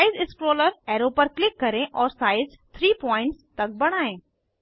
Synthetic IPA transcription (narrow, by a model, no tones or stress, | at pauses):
aːɪzɪskɾoːləɾɛːɾoːpɐɾklɪkːɐɾẽʔɔːɾsaːɪz | t̪ʰɾiːpɔ̃ːɪ̃ɳʈst̪ɐk̚bɐɽ̃aːẽː